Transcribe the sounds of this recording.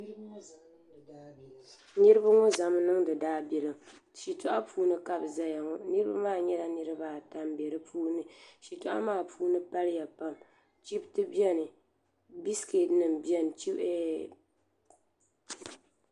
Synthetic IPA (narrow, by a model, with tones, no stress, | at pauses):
nɨ˦ɾɨ˦ba˦ŋɔ˦za˨m˦nɨ˦ŋdɨ˨daː˦bɛ˨lɨ˨mʃi˨tʊ˦ʔa˦pʰuː˦nɨ˦ka˦bza˦ja˨ŋɔ˦nɨ˦ɾɨ˦ba˦maː˦˨ɲɛ˦la˦nɨ˦ɾɨ˦ba˨ta˦mbɛ˨ɾɨ˦pʰuː˦nɨ˨ʃi˨tʊ˦ʔa̰˦maː˦˨pʰuː˦nɨ˦pa˦lɪ˦ja˨pa˦m | t͡ʃi˦btɨ˦bi˦ɛ˦nɨ˨ | bi˦ske˨tnɨ˨m˨bi˦ɛ˦n˨t͡ʃi˦ɛ˨